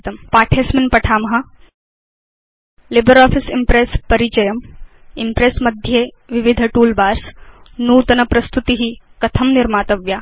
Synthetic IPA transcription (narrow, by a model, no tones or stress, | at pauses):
t̪ɐmpaːʈʰeːsminpɐʈʰaːmɦɐ | libɐɾaːfisimpɾeːspɐɾit͡ʃɐjɐm | impɾeːsmɐd̪ʱje | ʋiʋid̪ʱɐʈuːlbaːɾsnuːt̪ɐnɐpɾɐst̪ut̪iɦikɐt̪ʰɐmniɾmaːt̪ɐʋja